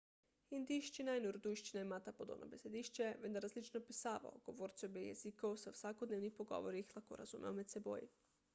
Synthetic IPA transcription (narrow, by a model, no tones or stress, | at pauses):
ind̪iʃt͡ʃinajnoɾud̪ujʃt͡ʃinaemat̪apod̪o̰nʔo̰besed̪iʃt͡ʃeʋed̪aɾazlit͡ʃnopisaːʋa̰oɡ̥oʋoɾt̪siobejḛzikoosausʋakod̪neʋnixpoɡo̰ʋoɾixlˠako̰ɾa̰z̥ṵmʔeomet̪sebo̰ji